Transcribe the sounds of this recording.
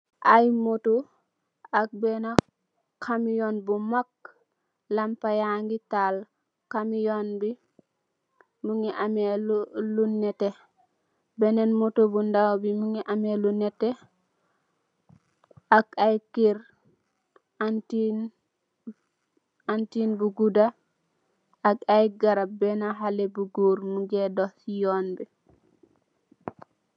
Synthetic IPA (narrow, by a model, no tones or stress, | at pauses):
ʔajmoto | ak̚bena | kʰamijonbumak̚ | lampajaŋɡital | kamijonbi | muŋiʔamellunɛte | bɛnenmotobundawbimuŋiʔamelunete | ʔaɡajkiɾ | ti | antinbuɡuda | akajɡaɾabɛnaɦalebuɡuɾmuɡɛdɔsijonbi